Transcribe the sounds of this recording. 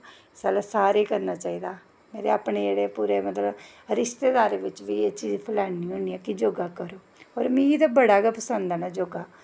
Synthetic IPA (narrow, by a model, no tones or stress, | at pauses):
sɛːlasaːɾeːkəɾnaːt͡ʃaːiːd̪aː | meːɾḛaːpɳeːd͡ʒeːɽeːpuːɾeːmət̪ləb | ɾɪʃt̪eːd̪aːɾeːʋɪt͡ʃʋiːeːt͡ʃiːzpʰəlaːniːɦoːɳiːɛːkɪd͡ʒoːɡaːkəɾoː | ɔːɾmĩd̪abəɽaːɡɛpəsənd̪aːnaːd͡ʒoːɡaː